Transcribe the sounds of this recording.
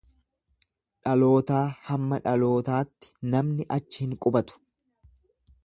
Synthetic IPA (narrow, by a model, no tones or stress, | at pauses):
ᶑɐlo̞ːt̪aːhɐmːɐᶑɐlo̞ːt̪aːt̪ːɪ̥nɐmnɪʔɐt͡ʃːɪhɪŋkʼʊbɐt̪ʊ̥